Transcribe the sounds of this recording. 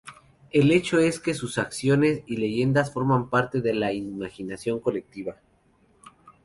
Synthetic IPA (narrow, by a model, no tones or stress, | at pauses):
e̞le̞t͡ʃo̞e̞ske̞susaksjo̞ne̞sile̞ʝe̞nd̪asfo̞ɾmãmpaɾt̪e̞ðe̞laimaxinasjo̞ŋko̞le̞k̚t̪iβa